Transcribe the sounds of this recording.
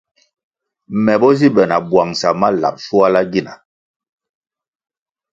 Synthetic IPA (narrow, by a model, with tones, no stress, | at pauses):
mɛ˨bɔ˦zi˦bɛ˨na˨bwa˨ŋsa˨ma˦la̰˨p̚su˦a˦la˦ɡi˦˨na˨